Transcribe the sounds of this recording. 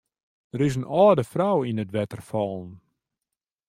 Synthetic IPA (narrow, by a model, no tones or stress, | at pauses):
dəɾɪs̬ənɔːdəfrawinətʋɛtərfɔlˠn